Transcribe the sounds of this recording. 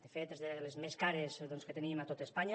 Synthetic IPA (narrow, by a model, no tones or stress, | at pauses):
d̪efet̪ezðelezmeskaɾezðonskət̪enimat̪ot̪aespaɲa